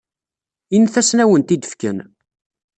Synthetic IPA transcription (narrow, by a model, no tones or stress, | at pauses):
inːθæsnæwənt̪id̪əfkə̰n